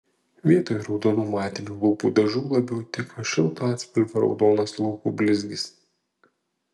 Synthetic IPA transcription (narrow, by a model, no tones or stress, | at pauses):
ʋʲiɛt̪oːjɾɒʊd̪oːnuːmɑːt̪ʲɪnʲuːlˠuːpṵːd̪ɐʒuːlˠɐbʲɛʊt̪ʲɪkɐʃʲɛlˠt̪oɑːt̪ʲsʲpʲɪlʲfʲɐɾɒ̰ʊd̪oːnɐslˠuːkuːbʲlʲɪzʲɡʲɪs